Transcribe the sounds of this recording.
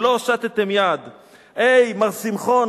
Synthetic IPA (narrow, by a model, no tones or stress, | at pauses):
loʃat̪et̪emjad̪ | ejmaʁsimχon